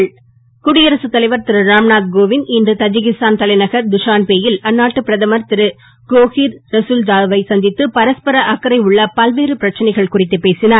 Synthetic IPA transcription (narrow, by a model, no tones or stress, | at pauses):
ɭ | kʊɽɪjɐɾɐsɯt̪ːɐlɐɪʋɐɾt̪ɪɾɯɾaːmnaːd̪̚ɡoːʋɪnɪndɯt̪ɐd͡ʒɪɣɪst̪aːnt̪ɐlɐɪnɐɣɐɾd̪ʊʂaːnpeːjɪlɐnːaːʈːɯpɪɾɐðɐmɐɾt̪ɪɾɯ | koːɣiːɾɾɐsuld͡ʒaːʋɐɪsɐnd̪ɪt̪ːɯpɐɾɐspɐɾɐʔɐkːɐɾɐɪʊɭːɐpɐlʋeːɾɯpɪɾɐt͡ʃːɐnɐɪɣɐɭkʊrɪt̪ːɯpeːsɪnaːɾ